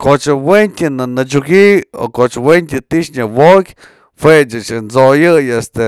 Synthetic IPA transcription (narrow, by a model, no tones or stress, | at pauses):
kot͡ʃawent̪ʲinanat͡ʃuɡio̰kot͡ʃwent̪ʲət̪iʃɲawokʲ | fet͡ʃɨt͡ʃnzojɨjest̪e